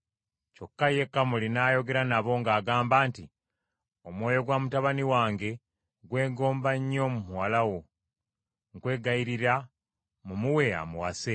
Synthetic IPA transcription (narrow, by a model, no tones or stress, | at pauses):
co̞kːaje̞kːamulinaːjo̞ɡe̞ɾanaβo̞ŋɡaːɡaːmbaːnti | o̞mwo̞ːjo̞ɡwamutaβaniwaːŋɡe̞ | ɡwe̞ːŋɡo̞ːmbaɲːo̞mumuwalawo̞ | ŋkwe̞ːɡaiɾiɾa | mumuwe̞a̰muwase